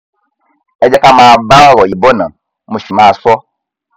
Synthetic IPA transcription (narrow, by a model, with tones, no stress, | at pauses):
e˦d͡ʒe˦ka˦ma˨ba˦wɾɔ˨ji˨bo˦nã˨ | mu˨ʃi˨ma˨sɔ˦